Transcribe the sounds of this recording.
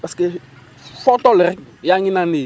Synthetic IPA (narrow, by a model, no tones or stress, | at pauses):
paskɪ | fɔtɔlɪrɪjaŋɪnaneː